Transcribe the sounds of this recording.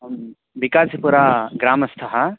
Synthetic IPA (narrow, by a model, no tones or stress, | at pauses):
bikaːsipuɾaɡɾaːmɐst̪ʰɐɦɐ